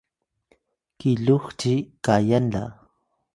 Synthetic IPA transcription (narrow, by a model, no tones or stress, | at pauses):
kɪʎoχt͡ʃikajanla̰